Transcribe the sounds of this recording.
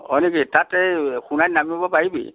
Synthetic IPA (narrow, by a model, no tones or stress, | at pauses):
hɔ̰jnekitatɛxunajnamibɔpaɹibḭ